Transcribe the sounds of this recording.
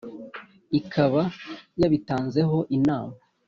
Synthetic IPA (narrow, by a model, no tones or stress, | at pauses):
ikʰaβajaβitaːnze̞ɦo̞ʔinaːma